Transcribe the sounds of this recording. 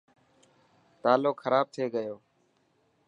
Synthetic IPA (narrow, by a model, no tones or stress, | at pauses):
t̪aːloːkxʰəɾaːb̚t̪ʰeːɡəjoː